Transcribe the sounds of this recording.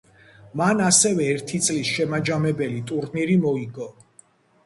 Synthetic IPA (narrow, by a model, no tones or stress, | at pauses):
manasɛvɛːɾt̪ʰit̪sʼlisʃɛmad͡ʒamɛbɛlit̪ʼuɾniɾimɔiɡɔ